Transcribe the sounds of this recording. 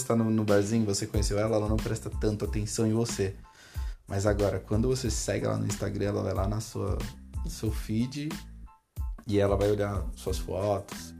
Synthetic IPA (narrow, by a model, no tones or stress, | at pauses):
st̪anʊnʊbɾazĩɲʊvosekõɲesewɛlɐɛlɐnɐ̃w̃pɾɛst̪ɐt̪ɐ̃nt̪ʊat̪ẽsɐ̃w̃ẽvose | mʔɐjzaɡɔɾɐkwɐ̃nd̪ʊvosesɛɡɪ̰lʔa̰nʊ̰ĩst̪aɡɾɐ̃ɛlɐ̰va̰jlanɐsuɐ̰nʊsewfid͡ʒɪ | ɪɛlɐvajoʎaɾsuɐsfɔt̪ʊ̥s